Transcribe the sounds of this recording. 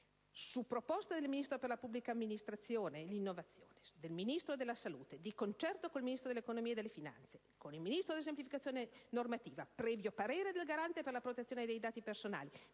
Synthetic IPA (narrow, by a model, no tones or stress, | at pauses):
supːɾopɔst̪ad̪elminist̪ɾoperlapubːlikaːmːinist̪ɾat̪sːjoːnelinːovat̪sːjo̰ːned̪elminist̪ɾod̪elːasaluːt̪ed̪ikont͡ʃɛrt̪okoilminist̪ɾod̪elekonomied̪elːefina̰nt̪se̥ | konilminist̪ɾod̪ies̬emplifikat̪sːjoːnenormat̪iːvapɾɛːvjopaɾeːɾed̪elɡaɾant̪eperlapɾot̪et̪sːjoːneed̪ejd̪aːt̪ipersona̰ːli